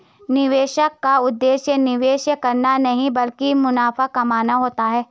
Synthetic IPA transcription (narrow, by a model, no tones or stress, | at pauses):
nɪʋeːʃəkːaʊd̪ːeːʃjənɪʋeːʃjəkɐɾnanɐɦĩbɐlkimʊnaːfakɐmaːnaɦoːt̪aɦɛː